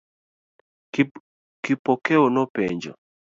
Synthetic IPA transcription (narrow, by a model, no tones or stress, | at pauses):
kɪpɔkɛonɔpɛɲd͡ʒɔ̰